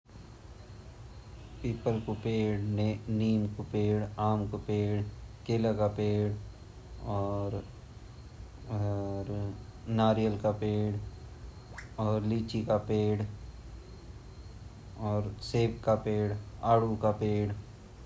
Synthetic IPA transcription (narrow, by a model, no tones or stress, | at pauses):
piːpəlkopeːɽneniːmkopeːɽaːmkopeːɽkeːlakapeːɽ | ɔːɾ | ɾnaːɾijəlkapeːɽ | ɔːɾliːt͡ʃikapeːɽ | ɔːɾseːbkapeːɽaːɽukapeːɽ